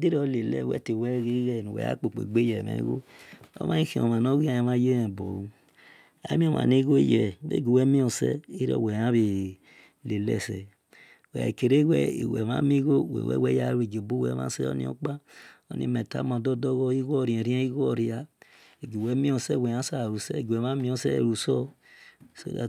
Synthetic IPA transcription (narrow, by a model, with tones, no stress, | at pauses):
di˦ɾɔ˦˨˦le˨lɛ̰˨wɛ̰˦te˨wɛ˦ɣi˦ɣɛ˦˨nu˨wɛ̰˨a̰˦k͡po˨k͡pḛ˨ɡ͡be˦jɛ˨mḛ˨˦ɣo˦o̰˦mã˦i˦xi˨˦o̰˨ma˨no˦ɣi˦a˨ja˨ma˦je˦ɛ˨bo̰˨ | a̰˨˦mi˦o˦ma̰˨ni˦ɣo˦jɛ˨bḛ˦ɡi˨wɛ˦mĩ˦o˨sɛ̰˦i˦ɾɔ̰˨wɛ˨a˦βi˨ | le˨lɛ̰˦˨sɛ˨ | wɛ˨ke˨ɾe˦wɛ˦i˨wɛ̰˨ma̰˦mi˦ɣo˦˨w̰wɛ̰˦wɛ˦ja˦ɾe˨ɡe˨bo˦wɛ̰˨ma̰˦sɛ˦o̰˦nḭ̃˦o̰˦k͡pa˦o˦nḭ˦˨me˨ta̰˨˦ma˨dɔ˦do˦ɣɔ˦i˦ɣɔ˦˨ɾi˨ɛ˨ɾĩ˦a˦i˦ɣɔ˦˨ɾi˨˦a˨ | e˨ɡi˨wɛ˨˦mĩ˦o˨sɛ˦˨wɛ˨a˦sa˦˨ɾu˨sɛ˦˨ɡɛ˨ma˦mĩ˦o˦sɛ˦˨ɾu˨sɔ˦˨ | so̰˦a˨